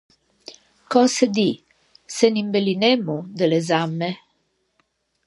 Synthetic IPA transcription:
kɔsed̪i | senimbelinɛmːud̪elezamːe

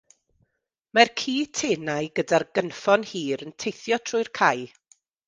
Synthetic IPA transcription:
markʰiːtʰeːnajɡədarɡənfɔnhiːɾəntʰejθjɔtʰrʊɨrkʰaj

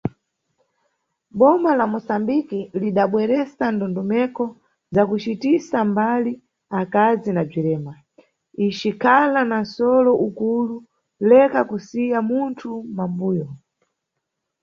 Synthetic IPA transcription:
ɓɔmalamɔsambikiliɗaɓwɛɾɛsandɔndɔmɛkɔ | zakut͡ʃitisambali | akazinab͡ʐiɾɛːma | it͡ʃikʰalanansɔlɔʔukulu | lɛkakusijamuntʰumambuːjɔ

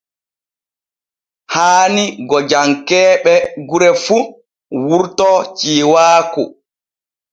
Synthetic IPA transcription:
haːniɡɔd͡ʒaŋkɛːɓɛɡuɾɛfu | wuɾtɔt͡ʃiːwaːkṵ

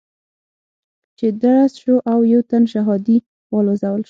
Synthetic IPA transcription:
t͡ʃed̪aɽasʃoʔawjawt̪anʃaɦɑd̪i | wɑlozawəlʃ

